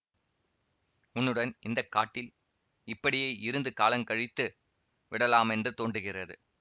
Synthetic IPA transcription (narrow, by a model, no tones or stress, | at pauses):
ʊnːɯɽɐnɪnd̪ɐkːaːʈːɪl | ɪpːɐɽɪjeːʔɪɾɯnd̪ɯkaːlɐŋkɐɻɪt̪ːɯ | ʋɪɽɐlaːmɛndrɯt̪oːɳɖɯɣɪrɐðɯ̰